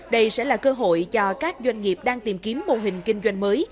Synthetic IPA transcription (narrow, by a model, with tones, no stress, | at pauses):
ɗə˧jsɛ̰˧˥laː˨˩kəː˧ɦo̰˧˨jt͡ɕɔ˧kaː˦˥k̚zwa˧jŋ̟ŋi˨˩əp̚ɗaː˧ŋt̪i˨˩mki˨˦əmːo˨˩ɦï˨˩ŋ̟kï˧ŋ̟zwa˧jŋ̟məː˨˦j